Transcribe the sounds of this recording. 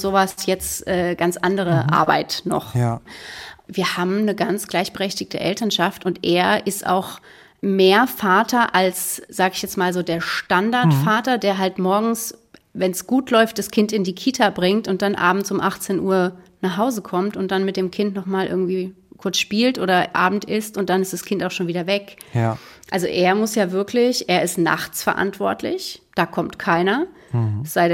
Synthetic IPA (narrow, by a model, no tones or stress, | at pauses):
z̥oːvasjɛt͡stʔɛːɡ̥ant͡sʔandəʁ̞əʔa̰ɐba̰ɪtnɔ̰χ | viːɐhaːbm̩nəɡant͡sɡ̥laɪçb̥əʁɛçtɪçtə̰ʔɛ̰ltɐnʃaftʊntʔeːɐʔɪstʔa̰ʊx | meːɐfaːtʰɐʔalsz̥aːɡəɪçjɛt͡smaːlzoːdeːɐʃtandaɐtfaːtɐdeːɐɦaltmɔɐɡŋ̩s | vɛnsɡ̥uːtlɔʏft̚d̥askʰɪntɪndiːkʰiːtʰabʁɪŋtʊnt̚d̥anʔa̰ːbm̩t͡sʊmʔaχt͡seːnʔuːɐnaːχhaʊzəkʰɔmtʊnt̚d̥anmɪt̚d̥eːmkʰɪntnɔχmaːlʔɪ̰ɐɡŋ̩tv̥iː | kʰʊɐt͡sʃpiːltʔoːɾɐʔa̰ːbm̩tʔɪstʊnt̚d̥anɪstd̥askʰɪntaʊxʃoːnviːdɐvɛk | ʔalzo̰ʔeːɐmʊsjaːvɪɐklɪçʔeːɐɪstna̰χt͡sfɛɐʔa̰ntv̥ɔɐtʰlɪ̰çd̥aːkʰɔmtkʰaɪnɐ | z̥aɪ